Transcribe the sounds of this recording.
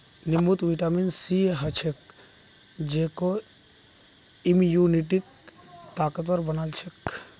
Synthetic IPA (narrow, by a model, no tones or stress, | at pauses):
nimut̪ʋiʈaminsiɦɐt͡ʃʰek | d͡ʒeko | imjuniʈ̬ik̚t̪aːkət̪ɐɾbɐnalt͡ʃʰek